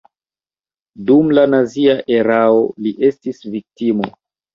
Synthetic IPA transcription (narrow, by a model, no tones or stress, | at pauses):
dumlanaziaʔe̞ɾao̞liʔe̞stisvik̚timo̞̰